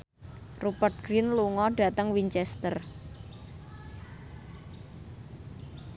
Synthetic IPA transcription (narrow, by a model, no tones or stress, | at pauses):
rupərt̪̚ɡ̥ɾinluŋɔɖ̥a̤t̪əŋwiɲt͡ʃɛst̪ər